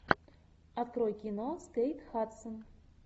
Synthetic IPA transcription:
ɑt̪krojkʲinoskejt̪xɑt̪sə̆n

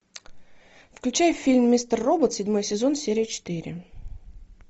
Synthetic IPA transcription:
fklʲʉt͡ɕæjəfʲːilʲmːʲist̪ərːo̞bət̪sʲɪdʲmojəsʲɪzo̞nsʲeɾʲɪjət͡ɕɪ̥t̪ɨɾʲɪ̰

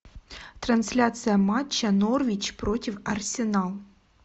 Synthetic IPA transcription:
t̪rɐnsʲlʲat̪sɨjɐmat͡ɕːɐnorvʲit͡ɕpɾotʲɪfɐrsʲɪnalˠ

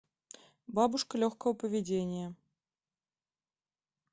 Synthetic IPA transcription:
babuʂkəlʲoxkəwpəvʲɪdʲenʲɪjə

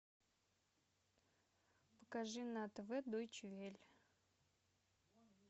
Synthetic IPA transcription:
pə̥kaʐɨnat̪vɛd̪ojt͡ʃvʲelʲ

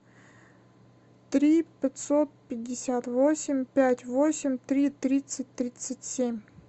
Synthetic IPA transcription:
t̪ɾʲipʲɪt̪sot̪̚pʲɪdʲːɪsʲat̪vosʲɪmʲpʲætʲvosʲɪmʲt̪ɾʲit̪ɾʲit̪sɨt̚ʲt̪ɾʲit̪sətʲsʲemʲ

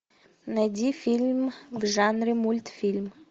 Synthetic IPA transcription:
nɐd̪ʲifʲilʲmvʐanɾʲɪmulʲt̪fʲilʲm

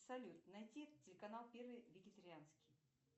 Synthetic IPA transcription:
sɐlʲut̪nɐjtʲiɛt̪t̚tʲːɪlʲɪkɐnalˠpʲervɨjvʲɪɡʲɪt̪əɾʲɪanskʲɪ̥j

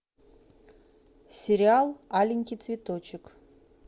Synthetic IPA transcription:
sʲeɾʲɪalˠalʲiŋʲkʲit̪svʲet̪ot͡ʃʰɪk

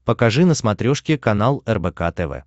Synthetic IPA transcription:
pəkɐʐɨnəsmɐt̪ɾʲoʂkʲɪkɐnalˠɛrbɛka̰t̪ɛvɛ̰

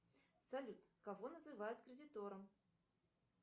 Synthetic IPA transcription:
salʲut̪kavɔnɐzɨvajʊt̪kɾʲɪdʲit̪ɔɾɐm

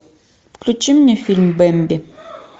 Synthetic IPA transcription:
fklʲʊt͡ʃimnʲɛfʲilʲmbɛmʲbʲɪ

